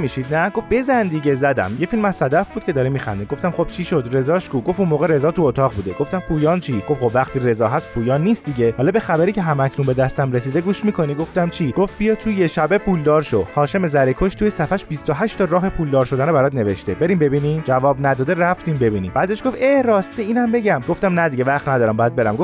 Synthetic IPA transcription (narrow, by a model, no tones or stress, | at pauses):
miʃid̪næɡo̞fbe̞zænd̪iɟezæd̪æ̰mjefilmæssæd̪æfb̥ud̪kʰʲe̞d̪ɒːɾimixæ̰nd̪eɡo̞ft̪æmχo̞b̥̚t͡ʃʰiʃo̞d̪ɾe̞zɒːʃkuɡofunmoːɣeɾe̞zɒːt̪ʰuot̪ʰɒːʁbuːd̪eɡo̞ft̪æmpʰuːjɒːnt͡ʃʰiɡ̥o̞fχo̞bvæqt̪ʰiːɾe̞zɒːɦæst̪pʰuːjɒːnːiːst̪d̪iɟe̞hɒlɒbe̞xæbæɾiːcʰeɦæmæcʰnunbed̪æst̪æmɾe̞s̬iːd̪eɡuːʃmikʰo̞niɡo̞ft̪æmt͡ʃʰiɡ̥oft̪̚bijɒːt̪ʰuje̞ʃæbe̞pʰuld̪ɒːɾʃohɒːʃe̞mezæɾekʰoʃt̪ʰujesæfæʃbist̪oɦæʃt̪ɒɾɒːɦe̞pʰuːld̪ɒːɾʃo̞d̪ænobæɾɒːd̪ne̞veʃt̪e̞be̞ɾimbe̞biːnimd͡ʒævɒːbnæd̪ɒːd̪eræft̪imbe̞binḭːmbæːd̪eʃɡo̞feɾɒːst̪iiːnæmbe̞ɟæmɡo̞ft̪æmnæd̪iɟevæχt̪næd̪ɒːɾæmbɒːjæd̪̚be̞ɾæmɡof